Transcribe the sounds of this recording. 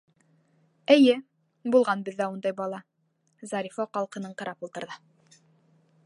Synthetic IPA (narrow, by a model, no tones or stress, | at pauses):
ɘ̆jɘ | bulˠʁɑnbɘ̆ðːæund̪ɑjbɑlˠɑ | zɑɾʲifoqɑlˠqɤ̆nɤɴqɤ̆ɾɑpulˠt̪ɤ̆ɾðɤ